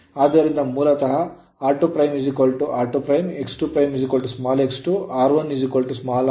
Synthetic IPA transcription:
aːd̪ɐɾind̪ɐmuːlɐt̪ɐɦɐ | aːɾʈupɾɐjmjuzikolʈuʔaːɾʈupɾɐjmeksʈupɾɐjmjuzikɐlʈusmaːleksʈuaːɾʋɐnːuzikolʈusmaːl

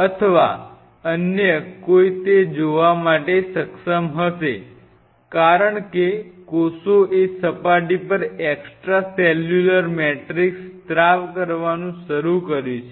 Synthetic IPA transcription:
ət̪ʰəʋa̰ | ənjəkoit̪ed͡ʒoʋamaʈesəkʃəmɦəʃe | kaɾəɳkekosoesəpaʈipəɾɛksʈɾasɛljuləɾmɛʈɾikst̪ɾaʋkəɾʋanũʃəɾukəɾjũt͡ʃʰe

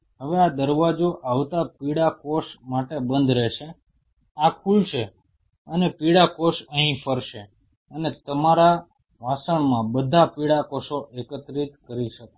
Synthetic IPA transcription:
ɦəʋead̪əɾʋad͡ʒoʔaʋt̪apiɽakoʃmaʈebənd̪ʱɾɛʃe | akʰulʃe | ənepiɽakoʃə̃ɦĩfəɾʃe | ənet̪əmaɾa | ʋasəɳmãbəd̪ʱapiɽakoʃoʔekət̪ɾit̪kəɾiʃək

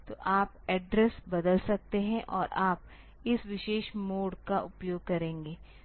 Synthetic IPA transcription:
t̪oːʔaːpɛːɖɾɛsbɐd̪əlsɐk̚t̪eɦɛ̃ʔɔːɾʔaːp̚ | ɪsʋɪʃeːʃmoːɖkaʔʊpjoːɡ̚kɐɾẽːŋɡeː

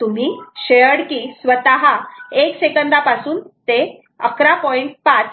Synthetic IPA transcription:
t̪um̤iːɕeəɽkiːsʋət̪aɦaeksekənd̪apasuːnt̪e | ə̰kɾapɔiɳʈ̚pat͡s

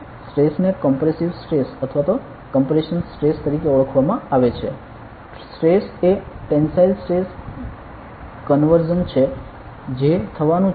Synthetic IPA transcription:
sʈɾesnekəmpɾesiʋsʈɾesət̪ʰʋat̪o | kəmpɾeʃənsʈɾest̪əɾikeuɭəkʰʋamãaʋet͡ʃʰe | sʈɾeseʈensailsʈɾes | kənʋəɾd͡ʒənt͡ʃʰe | d͡ʒet̪ʰəʋanũ

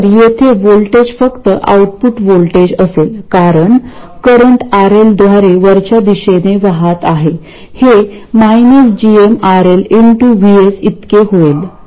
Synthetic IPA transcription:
ɾjet̪ʰeʋolʈed͡ʑfəkt̪əʔa̰uʈ̚puʈʋolʈed͡ʑəselkaɾəɳ | kəɾəɳʈaɾeld̪ʋaɾeʋəɾt͡ɕad̪iɕeneʋaɦat̪aɦe | he | majnəsd͡ʑiemaɾeliɳʈuʋiesit̪keɦoel

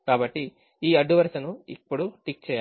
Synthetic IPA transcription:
kaːbɐʈːi | iːɐɖːuʋɐɾsɐnuḭpːuɽuʈik̚t͡ʃɛːja

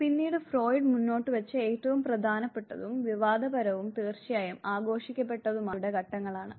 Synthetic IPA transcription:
pinːiːɽɨfro̞ːjɖmunːo̞ːʈːɨʋɐt͡ɕːɨeːtːɐʋumprɐd̪ʱaːnɐpːe̞ʈːɐ̰ðumʋiʋaːd̪ɐbɐɾɐʋumt̪eːrt͡ɕijaːjɐmaːɡo̞ːʂikʲːɐp̬ːe̞ʈːɐðumaːuɽeɡʱɐʈːɐŋːɐɭaːɳɨ

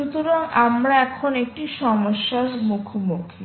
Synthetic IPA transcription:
ut̪uɾaŋamɾaɛkʰonek̚ʈiʃɔmoʃːaɾmukʰomukʰi

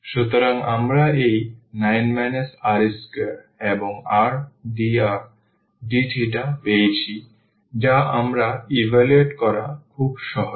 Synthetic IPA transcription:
ʃut̪oɾaŋamɾaejnajnmɛnesaɾiskeɾ | eboŋaɾɖiaɾ | ɖiʈʰiʈapejt͡ɕʰi | d͡ʑaʔamɾaibʱalueʈkɔɾa̰kʰubʃɔɦo

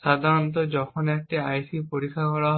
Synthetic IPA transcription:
sad̪ʱaɾɔnt̪̬ɔd͡ʒɔkʰɔnek̚ʈiajsipoɾikʰːakɔɭaɦ

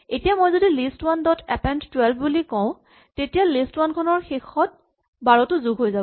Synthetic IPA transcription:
etijamojzodilistwandɔtʰɛpɛnttwɛlbʰbulikɔ̃ʊ̃ | tetijalistwankʰɔnɔɹxexɔt̚ | baɹɔtʊzuɡʱɦojzabɔ

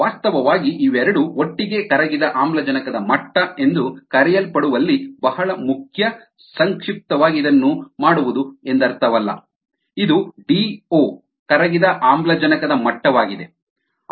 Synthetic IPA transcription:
aːst̪ɐʋɐʋaːɡiʔiʋɛɾɐɽuoʈːiɡe̞kɐɾɐɡid̪ɐʔaːmblɐd͡ʒɐnɐkɐd̪ɐmɐʈːɐe̞nd̪ukɐɾɛjɐlpɐɽuʋɐlːibɐhɐɭɐmukʰjɐ | sɐŋkʂip̚t̪ɐʋaːɡid̪ɐnːumaːɽuʋud̪ue̞nd̪ɐɾt̪ɐʋɐlːɐ̰ | id̪uɖiːoː | kɐɾɐɡid̪ɐʔaːmblɐd͡ʒɐnɐkɐd̪ɐmɐʈːɐʋaːɡid̪e̞

